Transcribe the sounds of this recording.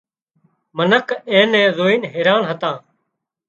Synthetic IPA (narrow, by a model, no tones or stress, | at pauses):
mənəkʰẽːnɛ̃ːzoːiːnɦeːɾaːnɦət̪ãː